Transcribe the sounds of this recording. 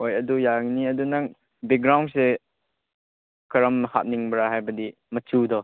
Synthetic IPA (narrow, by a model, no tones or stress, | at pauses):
ojɐdujaŋniɐdunaŋ | bek̚ɡɾawnse | kɐɾɐmːha̰t̚niŋbɾaɦajbɐdi | mɐt͡ʃudɔ